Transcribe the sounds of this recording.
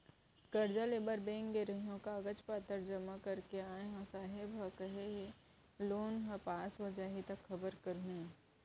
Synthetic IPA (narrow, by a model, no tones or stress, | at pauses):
ɡ̥ɐɾd͡ʒaleːbəɾbẽːŋkɡeɾəɦijõkaɡət͡ʃpaːt̪əɾd͡ʒɐmakɐɾkeaːẽɦãsaːɦɪbʱɦɐkəɦeɦe | loːnɦɐ̃paːsʋɐd͡ʒaːɦit̪ɐkxɐbəɾkɐɾɦũː